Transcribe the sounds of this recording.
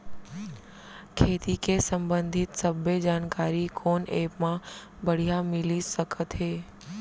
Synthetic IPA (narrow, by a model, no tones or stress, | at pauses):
kʰeːt̪ikʰesə̃mbə̃nd̪ʱɪt̪səbʱəd͡ʑaːnkaːɾikʰoːneːpmã | bəɽ̤ijamɪlisəkʰət̪ɦeː